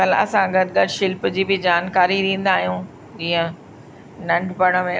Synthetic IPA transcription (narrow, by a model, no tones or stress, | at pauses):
ɐlɐ̰sãɡɐd̪ɡɐɾʃɪlpd͡ʑiːbɪd͡ʑaːnkaːɾiɗĩːn̆d̪aːɦijũː | d͡ʑiːə̃ | nɐ̃ɳɖʱpɐɽ̃ə̆mẽ